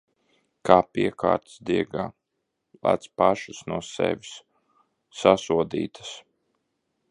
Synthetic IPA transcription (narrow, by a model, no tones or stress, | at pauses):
kaːpiɛkʰa̰ːɾt̪sd̪iɛɡaː | lˠa̰ːt̪spaʃusnuɔsɛ̰ʋʲis | sasuɔd̪ḭːt̪ʰḁs